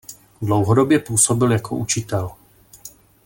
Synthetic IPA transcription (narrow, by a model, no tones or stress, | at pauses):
dlowɦodobjɛpuːso̞bɪljakʰo̞̰ʔut͡ʃɪt̪ɛl